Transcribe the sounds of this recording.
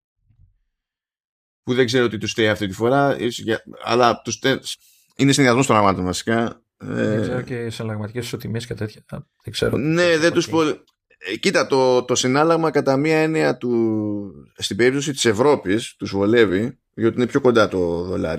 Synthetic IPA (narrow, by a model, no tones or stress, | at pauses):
puðe̞ɡze̞ɾoo̞t̪it̪usθeiɐft̪it̪ifo̞ɾɐisʝɐɐ̰lɐt̪use | inesinðiɐzmo̞sobɾɐɣmɐt̪o̞nvɐsi̥kɐ | ḛzeɾoesinɐlɐɣmɐt̪i̥cei̥sot̪imiscet̪et̪çɐ | ðeɡzḛɾoneðent̪uspo | cit̪ɐt̪o̞t̪o̞sinɐlɐɣmɐkɐt̪ɐmiɐe̞niɐt̪u | st̪ibe̞ɾip̚t̪o̞s̬it̪i̥se̞vɾo̞pist̪uzvole̞vi | ot̪iinepço̞ko̞nd̪ɐt̪o̞ðo̞lɐ̰ɾi